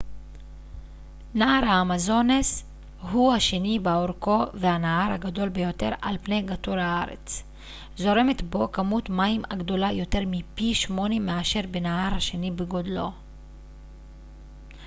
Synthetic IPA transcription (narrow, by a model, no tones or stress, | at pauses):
naaʁhaːmazo̞nes | ɦuhaʃenibeoʁko̞vehanahaʁhaɡad̪o̞lbejo̞t̪e̞ʁa̰lpne̞jɡatuɾhaaʁḛt͡s | zo̞ʁe̞me̞t̪bo̞kamut̪maimaɡd̪o̞lajo̞te̞ʁmipiʃmo̞nemːeaʃe̞ʁbenaɦaʁhaʃe̞nibeɡo̞dlo̞̰